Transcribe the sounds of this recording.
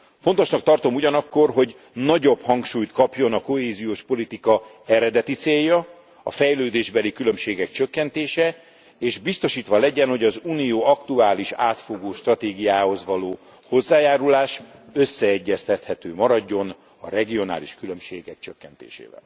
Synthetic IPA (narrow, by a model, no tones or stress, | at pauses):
fo̞nt̪o̞ʃnɒkt̪ɒrt̪o̞muɟɒnɒkːo̞rɦo̞ɟ | nɒɟo̞bhɒŋkʃuːjt̪kɒpjo̞nɒko̞ɦeːzijoːʃpo̞lit̪ikɒ | ɛɾɛd̪ɛt̪it̪seːjːɒ | ɒ̰fɛjløːd̪eːʒbɛlikylø̞mʃeːɡɛkt͡ʃøkːɛnt̪eːʃɛ | eːʒbist̪o̞ʃiːt̪ʋɒlɛɟɛnho̞ɟɒzuːnijoːɒkt̪uaːliʃaːt̪fo̞ɡoːʃt̪rɒt̪eːɡijaːho̞zʋɒloː | ho̞zːaːjaːɾulaːʃø̞sːɛɛɟːɛst̪ɛt̪hɛt̪øːmɒɾɒɟːo̞n | ɒ̰ɾɛɡio̞na̰ːliʃkylø̞mʃeːɡɛkt͡ʃøkːɛnt̪ḛːʃḛːvɛ̰l